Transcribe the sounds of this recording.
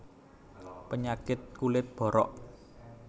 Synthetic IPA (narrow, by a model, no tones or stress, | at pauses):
pəɲakɪt̪̚kulɪt̪̚b̥ɔ̤ɾɔ̰ʔ